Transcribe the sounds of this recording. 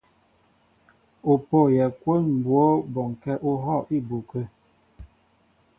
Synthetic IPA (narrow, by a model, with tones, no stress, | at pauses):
u˨po˦˨jɛ˨kwo˦nm̩˨bwo˦bɔ˨ŋ˨kɛ˦ʔu˦ɦɔ˦˨ʔi˦˨bu˨kə˦